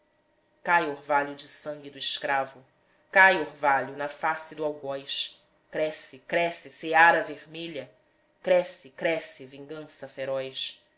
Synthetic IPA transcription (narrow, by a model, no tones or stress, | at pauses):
kajoɾvalʊd͡ʒɪsɐ̃ŋɡid̪ʊiʃkɾavʊ | kajoɾvaʎʊnɐfasɪd̪ʊawɡɔjʃ | kɾɛsɪkɾɛsɪseaɾɐvehmeʎɐ | kɾɛsɪkɾɛsɪvĩŋɡɐ̃sɐfeɾɔjʃ